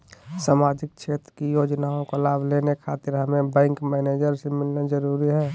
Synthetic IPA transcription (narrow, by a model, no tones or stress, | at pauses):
saːmaːd͡ʒɪk̚t͡ʃʃʰeːt̪ɾəkijoːd͡ʒnaːõkolaːbʱleːnekʰaːt̪ɪɾɦəmẽbɛ̃ːŋkmɛːneːd͡ʒəɾsemɪlnad͡ʒəɾuːɾiɦɛː